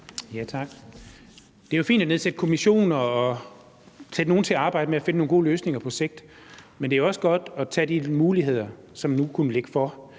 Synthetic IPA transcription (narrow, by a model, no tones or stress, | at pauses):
jæt͡sʰɑ̈ɡ̥ | d̥e̝æjofḭːnd̥æneð̞ˠsed̥kʰo̝miɕo̝̰ːnɐɒ̽ | sed̥no̝ːn̩t͡sʰe̝ɑ̈ːb̥ɑ̈ɪ̰d̥əmeæfe̝nəno̝ːŋɡo̝̰ːløːsne̝ŋɐpʰɒ̽se̝ɡ̥̚d̥ | mend̥e̝æjɒ̽səɡ̥ɒ̽d̥ɒt͡sʰɛ̰ːd̥imuːliɦe̝ð̞̰ˠɐsɒ̽mnukʰunəle̝ɡ̥əfɒ